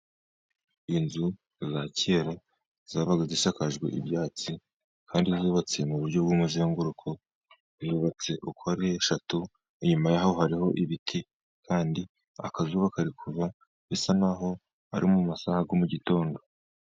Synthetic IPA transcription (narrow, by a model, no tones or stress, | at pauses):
inzu | zaceɾo | z̥aβaɡaziʃakaʒɡwḛʔḭbjaːt͡si | kʰaːndizuːβat͡se̞muβuɾɟobɡoːmuzeːŋɡuɾukʰo̞ | zuːβat͡se̞ʔukoaɾeeʃatu | iɲumajahohaɾiho̞ʔiβitʰi | kaːndi | a̰kazuːβakaɾikʰuɾa | βesanaɦo̞ | a̰ɾimuumasahaɡomuɟito̞ːndo̞